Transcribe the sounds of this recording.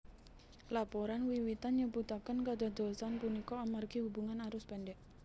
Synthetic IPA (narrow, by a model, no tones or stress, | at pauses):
lapɔɾanwiwit̪anɲəbut̪akənkad̪ad̪ɔ̤lsanpunikɔamarɡihubuŋanaɾʊspɛnɖɛʔ